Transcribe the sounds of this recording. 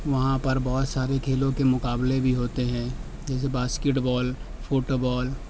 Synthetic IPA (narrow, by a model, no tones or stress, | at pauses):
ʋɐɦãpɐɾbɔːt̪saːɾekʰeːlõkemʊkaːblebʱiɦoːt̪eɦɛ̃ː | d͡ʒɛːs̬ebaːskeʈbɔːl | fʰoːʈobɔːl